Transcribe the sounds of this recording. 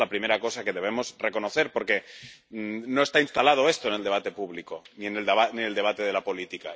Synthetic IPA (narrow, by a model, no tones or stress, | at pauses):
lapɾime̞ɾako̞sake̞ðe̞β̞e̞mo̞zre̞ko̞noθe̞ɾpo̞ɾke̞ | no̞e̞st̪ainst̪alað̞o̞e̞st̪o̞eneld̪eat̪e̞puβliko̞nie̞nelanield̪e̞β̞at̪e̞ð̞e̞lapo̞lit̪ika